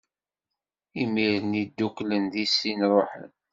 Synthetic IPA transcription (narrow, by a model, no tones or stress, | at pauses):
imiɾənid̪ːuklənðisːinɾˤoħə̰n